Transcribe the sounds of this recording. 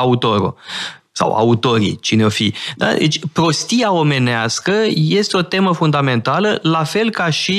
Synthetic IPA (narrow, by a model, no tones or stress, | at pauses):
aut̪o̞ɾṵ | sa̰wa̰ut̪o̞ɾḭt͡ʃineofid̪a̰d̪ḛt͡ʃʲpɾo̞st̪iao̞me̞neaskəje̞st̪eo̞t̪e̞məfund̪ame̞nt̪aləlafe̞lkaʃi